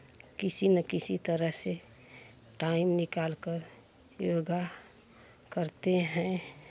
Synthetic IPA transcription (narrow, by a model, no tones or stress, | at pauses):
kɪsinəkɪsit̪əɾəɦse | ʈaɪmnɪkaːlkəɾ | joːɡa | kəɾt̪eɦɛ̃